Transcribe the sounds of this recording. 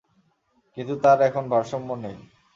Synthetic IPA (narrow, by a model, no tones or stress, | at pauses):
kint̪ut̪aɾɛkʰonbʱaɾʃɔmːonej